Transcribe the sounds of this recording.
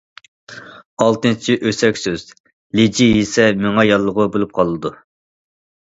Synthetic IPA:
ɑlˠt̪ɨnt͡ʃʰiʔøsɛkʲsøz̥ | led͡ʒijesɛmyŋɑjɑlˠːəʁʊbolˠup̚qʰɑlˠɨd̪u

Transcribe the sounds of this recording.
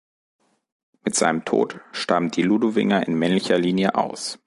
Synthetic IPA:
mɪtz̥a̰ɪnəmtʰo̰ːtʃtamd̥iːluduvɪ̰ŋɐʔɪnmɛnlɪçɐliːnjəʔa̰ʊs

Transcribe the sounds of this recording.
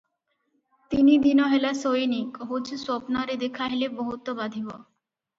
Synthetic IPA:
t̪inid̪inoɦelasojnikɦot͡ɕʰsɔpnaɾed̪ekʰaɦeleboɦut̪ːobad̪ʱibo

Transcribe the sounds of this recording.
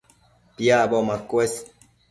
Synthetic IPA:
pjabɔmakwes

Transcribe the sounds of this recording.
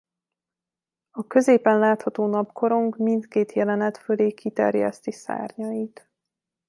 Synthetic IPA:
ɒkø̞zeːpɛnlaːt̪hɒt̪oːnɒpkʰo̞ɾo̞ŋkmint̪keːt̪jɛlɛnɛt̪føleːkit̪ɛ̰rjɛ̰st̪isa̰ːrɲɒjit̪

